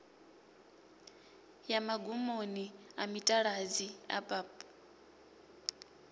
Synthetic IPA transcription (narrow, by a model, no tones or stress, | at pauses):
jamaɡumoniamitʼaɺad͡zia̰pʼaːpʼ